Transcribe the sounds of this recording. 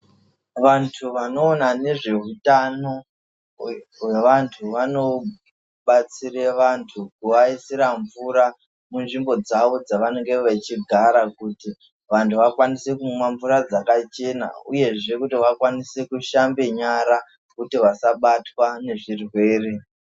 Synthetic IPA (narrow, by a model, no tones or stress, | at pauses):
ʋantʰuʋano̞ːnane̞ʐe̞ɦutano̞ | we̞ʋantʰuʋano̞ | ɓat͡sireʋantʰukuʋaisiɾaɱvuɾa | munʐimbo̞d͡zaʋo̞d͡zaʋane̞ŋɡeʋet͡ʃiɡʱaɾakuti | ʋantʰuʋakwanise̞kumwaɱvuɾad͡zakat͡ʃe̞na̰ṵje̞ʐe̞kutiʋakwanisekuʃambe̞ɲaɾa | kutiʋasaɓatwane̞ʐirwe̞ːre̞